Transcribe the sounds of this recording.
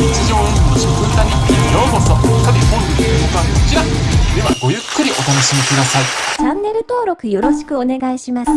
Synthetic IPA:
ɲit͡ɕiʑoːoɕikɯ̃t̪aɲʲijoːmosokad̪eɦoiɯnok̪oβakot͡ɕiɾad̪e̞βaɡo̞jɯ̟kːɯ̟ɾʲiʔo̞t̪ano̞ɕimʲikɯ̟d̪asait͡ɕãnːe̞ɾɯ̟t̪o̞ːɾo̞kɯ̟jo̞ɾo̞ɕi̥kɯ̟one̞ɡaiɕimasɨ̥

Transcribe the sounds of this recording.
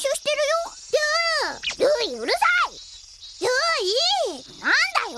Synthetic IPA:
ɕoːɕi̥t̪e̞ɾɯjo | jɯ | ɾɯiɯɾɯsai | jɯinand̪ajo

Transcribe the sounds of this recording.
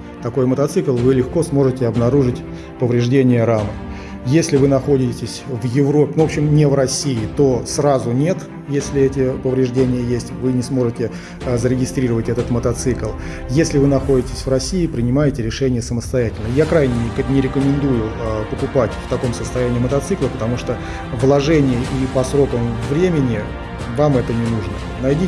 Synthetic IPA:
t̪ɐko̞jmət̪ɐt̪sɨklˠvɨlʲɪxko̞smo̞ʐɨtʲɪɐbnɐɾuʐɨtʲ | pəvɾʲɪʐdʲenʲɪjəɾamə | jesʲlʲɪvɨnɐxo̞dʲɪtʲɪsʲvjɪvro̞pʲnvopɕːɪmnʲɪvrɐsʲːiɪt̪o̞srazʊnʲe̞t̪ | jesʲlʲɪɛtʲɪpəvɾʲɪʐdʲenʲɪjəjesʲtʲvɨnʲɪsmo̞ʐɨtʲɪ | zəɾʲɪɡʲɪst̪ɾʲiɾəvətʲɛt̪ət̪mət̪ɐt̪sɨklˠ | jesʲlʲɪvɨnɐxo̞dʲɪtʲɪsʲvrɐsʲiɪpɾʲɪnʲɪmajɪtʲɪɾʲɪʂɛnʲɪjəsəməst̪ɐjætʲɪlʲnəjakɾajnʲɪknʲɪɾʲɪkəmʲɪnd̪ujʊpəkʊpatʲft̪ɐko̞msəst̪ɐjænʲɪiːmət̪ɐt̪sɨklˠəpə̥t̪ɐmuʂt̪o | vlˠɐʐɛnʲɪjəʔipɐsɾo̞kəmvɾʲemʲɪnʲɪ | vamɛt̪ənʲɪnuʐnə̰ | nɐjdʲi

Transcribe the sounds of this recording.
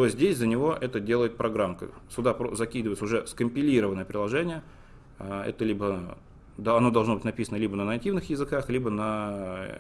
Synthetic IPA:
t̪ozʲdʲesʲzənʲɪvo̞ʔɛt̪ədʲe̞lˠəjɪt̪̚pɾʔɐɡɾamkə̰ | sʊd̪apɾozɐkʲid̪ɨvəjt̪sʊʐɛskəmʲpʲɪlʲiɾəvənəjəpɾʲɪlˠɐʐɛnʲɪjə | ɛ̰t̪əlʲibə | ɐno̞d̪ɐlˠʐnobɨtʲnɐpʲisənəlʲibənənɐtʲivnɨxjɪzɨkaxlʲibənɐ

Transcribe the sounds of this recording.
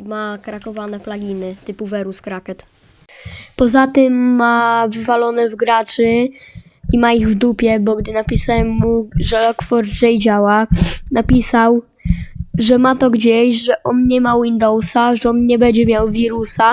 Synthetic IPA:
makɾakɔvanɛplaɡʲinɘt̪ɘpuvɛɾuskɾakɛt̪ | pɔzat̪ɘmːavɘvalɔnɛvɡɾat͡ʂɘ | imaiɣvd̪upʲjɛbɔɡd̪ɘnapʲisawɛmːuʐɛlɔkfɔɾd̪zɛjd͡ʑawanapʲisaw | ʐɛmat̪ɔɡd͡ʑeɕʐɛʔɔnɲɛmawind̪ɔwsaʐɛɔnɲɛbɛɲd͡ʑɛmʲjawvʲiɾusa

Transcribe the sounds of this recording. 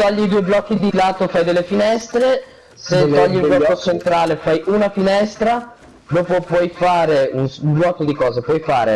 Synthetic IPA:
t̪ɔʎːid̪uojblɔkːid̪ilaːt̪ofajd̪elːefinɛst̪ɾe | set̪ɔʎːilblɔkːot͡ʃent̪ɾaːlefajʔunafinɛst̪ɾa | d̪oːpopwɔjfaːɾeunsulɔːt̪od̪ikɔːzepwɔjfa̰ːɾḛ

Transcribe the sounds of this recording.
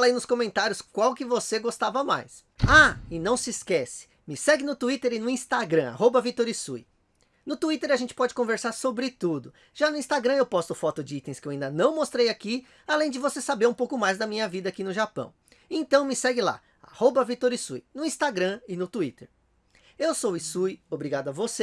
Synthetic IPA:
falɐinʊskõmẽnt̪aɾjʊskwawkɪvoseɡost̪avɐma̰js | aɪnɐ̃w̃sɪskɛsɪ̥ | mɪsɛɡɪnʊt̪uit̪eɾɪnʊĩst̪aɡɾɐ̃a̰hobɐvit̪oɾisṵj | nʊt̪uit̪eɾaʒẽnt͡ʃɪ̥pɔd͡ʒɪ̥kõveɾsaɾsobɾɪt̪ud̪ʊ | ʒ̥anʊĩst̪aɡɾɐ̃ewpɔst̪ʊfɔt̪ʊd͡ʒɪit̪ẽj̃skɪewaĩnd̪ɐnɐ̃w̃most̪ɾejaki | alẽj̃d͡ʒɪvosesabeɾũpowkʊmajzd̪ɐmĩɲɐvid̪ɐakinʊʒapɐ̰̃w̃ | ẽnt̪ɐ̃w̃mɪsɛɡɪla̰ | a̰hobɐvit̪oɾisujnʊĩst̪aɡɾɐ̃ɪnʊt̪uit̪eɾ | ewsowɪsujobɾiɡad̪ʊɐvose

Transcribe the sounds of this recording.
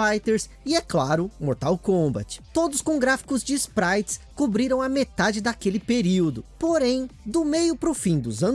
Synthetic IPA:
ajt̪eɾs | ɪɛklaɾʊmoɾt̪awkõbɐ̰t͡ʃɪ̥t̪od̪ʊskõɡɾafi̥kʊzd͡ʒɪspɾajt͡ʃskubɾiɾɐ̃w̃ɐmet̪ad͡ʒɪd̪akelɪpeɾiwd̪ʊpoɾẽj̃d̪ʊmejʊpɾʊfĩd̪ʊzɐ̃

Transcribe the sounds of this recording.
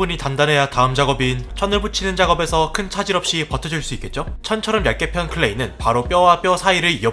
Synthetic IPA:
uɲitandanɦe̞jataɯmd͡ʑaɡʌbint͡ɕʰʌnɯɭput͡ɕʰinɯnd͡ʑaɡʌbe̞sʰʌkʰɯnt͡ɕʰad͡ʑiɾʌp̚ɕ͈ipʌtʰʌd͡ʑuɭs͈uik͈et̚t͡ɕ͈ot͡ɕʰʌnt͡ɕʰʌɾʌmjak͈e̞pʰjʌnkʰɯɭːe̞inɯnpaɾop͈jʌwap͈jʌsʰaiɾɯɭiʌ

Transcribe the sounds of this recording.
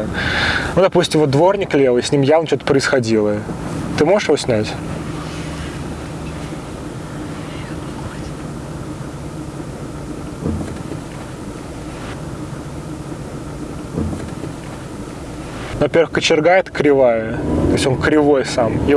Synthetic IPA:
nud̪ɐpusʲtʲɪmvot̪d̪vo̞rnʲɪklʲelˠɪsʲnʲimjavnət͡ɕot̪əpɾəɪsxɐdʲilˠət̪ɨmo̞ʐɨʂjɪvo̞sʲnʲætʲ | nvɐpʲe̞rvəɨxkət͡ɕɪrɡajɪt̪kɾʲɪvajət̪oɪsʲo̞nkɾʲɪvo̞jsami

